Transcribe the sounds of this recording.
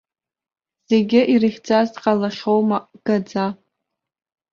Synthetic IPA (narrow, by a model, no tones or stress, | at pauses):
z̥eɡʲɪʔirɨχʲd͡zʼazdqʼalaχʲowmaɡ̥ad͡za